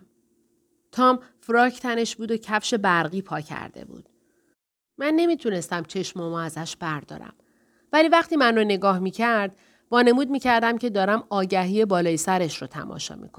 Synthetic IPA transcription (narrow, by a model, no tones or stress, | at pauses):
t̪ʰɒːmfɾɒːcʰt̪ʰæne̞ʃbuːd̪ocʰæfʃe̞bæɾɣiːpʰɒːcʰæ̰ɾd̪̥e̞̰bṵːd̪̥ | mænːe̞miːt̪ʰune̞st̪æmt͡ʃʰe̞ʃmomɒæzæʃb̥æɾd̪ɒ̰ːɾæ̰m | væliːvæχt̪iːmænrone̞ɡɒːhmiːcʰæɾd̪̥ | vɒːne̞muːd̪̚miːcʰæɾd̪æmcʰe̞d̪ɒːɾæmɒːɟæɦiːebɒːlɒːjisæɾe̞ʃrot̪ʰæ̰mɒ̰ːʃɒ̰mḭkʰon